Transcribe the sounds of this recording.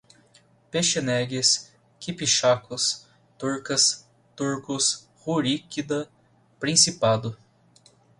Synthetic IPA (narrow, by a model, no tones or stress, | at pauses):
peʃenɛɡɪs | kipiʃakʊs | t̪uɾkɐs | t̪uɾkʊs | huɾikid̪ɐ | pɾĩsipad̪ʊ